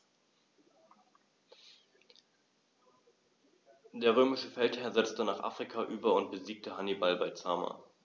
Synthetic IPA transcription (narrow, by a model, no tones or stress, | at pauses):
d̥eːɐʁ̞øːmɪʃəfɛlthɛɐzɛt͡stənaːχʔa̰ːfʁ̥ikʰaʔyːbɐʊnt̚b̥əziːk̚təɦanibalbaɪt͡sa̰ːma̰